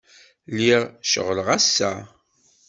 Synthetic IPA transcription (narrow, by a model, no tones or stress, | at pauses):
liʁʃə̰ʁləʁæsːæ